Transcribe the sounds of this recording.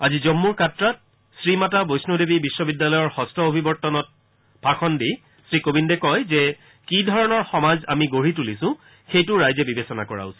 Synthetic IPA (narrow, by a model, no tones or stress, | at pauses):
azizɔmːuɹkatɹat̚ | sɹimatabojsnudebibisːɔbidːalɔjɔɹxɔstʰɔobʱibɔɹtɔnɔt̚ | paxʰɔndi | sɹikobindɛkɔjzɛ | kidʱɔɹɔnɔɹxɔmaza̰miɡoɹitulisʊ̃ | xejtʊɹajzɛbibesɔna̰kɔɹa̰ʊsi̥